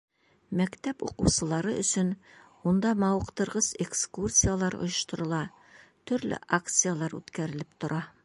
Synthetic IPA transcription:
mækt̪æpṵquwsɤ̆lˠɑɾɤʔɵ̰̆sɵn | und̪ɑmɑwɤ̆qt̪ɤ̆ɾʁɤzekskursʲijalˠɑɾo̰jŏʃt̪ŏɾɤ̆lˠɑ | t̪ɵ̆ɾlɘ̰ʔakt̪sɨjalˠɑɾʉ̰t̪kæɾɘ̆lɘpt̪ŏɾʔɑ

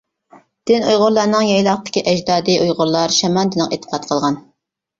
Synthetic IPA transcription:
d̪̥ɪnujʁʊɾlˠɑɾnɨŋjɑjlˠɑqt̪ʰɪ̥kʲiʔɛd͡ʒd̪ɑːd̪iʔujʁʊɾlˠɑɾʃɛmɑnd̪ɪnɨqet̪ʰːə̥qʰɑt̪̚qʰəlˠʁɑn

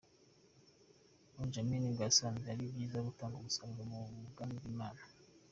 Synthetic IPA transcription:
und͡ʒaminiɡaasoβanzeaɾibɡiːzaɡutaːŋɡumusaŋɡamuɡandimaːna

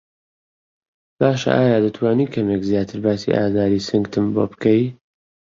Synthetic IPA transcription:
b̥aːʃɐ̰ʔaːjaːd̪ɨt̪ʰwaːniːkʰɐmekzjaːt̪ʰɨɾbaːsḭʔa̰ːzaːɾiːsɨŋɡt̪ʰɨmboːbkʰɐj

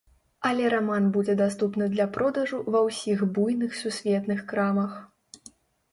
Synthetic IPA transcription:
ɐlʲɛɾamanbud͡zʲɛd̪ast̪upnɨd̪lʲɐpɾɔd̪ɐʐuvɐwsʲiɣbujnɨxsusʲvʲɛt̪nɨxkɾamɐx

